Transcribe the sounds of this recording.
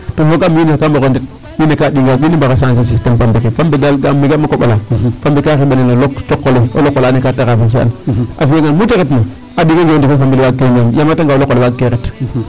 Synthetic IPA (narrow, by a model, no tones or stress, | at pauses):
tofoɡaminekambokondit̚ | winekaɗiŋɡaɡinimbakasans̬es̬istempambekefambedalɡamːiɡemakoɓalafambekakiɓeneloloktokːoleo̰lokːolaːnekataɣafiks̬ea̰nafijeŋanmuteɣetma | adikeɡondikefambilwakːemamjamataŋɡawlokːolewakːeket